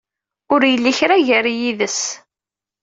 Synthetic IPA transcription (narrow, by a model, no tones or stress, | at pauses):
ʊɾjəlːiçɾæʝəɾjiðəs